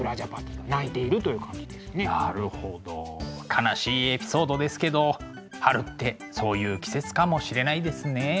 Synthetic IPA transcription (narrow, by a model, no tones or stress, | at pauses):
ɯɾaʑapat̪ːiɡanait̪e̞iɾɯ̟t̪o̞jɯkãɲd͡ʒid̪esɨnenaɾɯ̟ho̞d̪o̞̰kʰanaɕiːe̞pʲi̥so̞ːd̪o̞d̪e̞sɨ̥ke̞d̪o̞ | haɾɯ̟t̪ːe̞ | so̞ːjɯ̟ːkʲi̥se̞t͡sɨ̥kamo̞ɕiɾe̞naid̪e̞sɨne̞